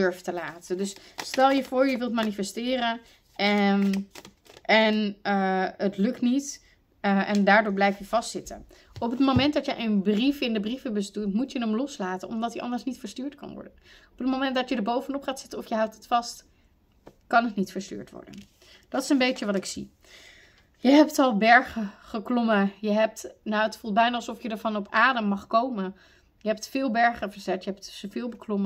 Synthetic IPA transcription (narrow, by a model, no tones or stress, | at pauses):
øɹftəlaːtəndɵsstɛlˠjəvʊːɹjəʋɪlˠtmaːnifɛstɪːrən | ɛ | ʔɛnəətlɵktnit | ʔɛndaːɹdʊːɹblɛjftjəvɑstsɪtə̰n | ɔpətmomɛnt̚dɑtjəʔənbrifɪndəbrivəbəstytmutjənəmlɔslaːtənɔ̰mdɑtəʔɑ̰ndəɹsnitfəɹstyːɹtkɑ̰nʋɔ̰ɹdənɔpətmomɛntdɑtədəɹbowvənɔpχaːtsɪtənɔfjəɦʌwtətfɑst | kɑnətnitfəɹsty̰ːɹtʋɔ̰ɹdə̰n | d̥ɑtɪ̥səmbejəʋɑtɪksḭ | jəɦɛp̚tɑlˠbɛɹχəχəklɔməjəɦɛp̚tnawətfɑlˠt̚bɛjnəɑlˠsɔfjədəɹvɑnɔpaːdəmːɑχkowmən | jəɦɛp̚tfɪːlˠbɛɹχəvəɹz̥ɛtjəɦɛp̚tsəvɪːlˠbəklɔmə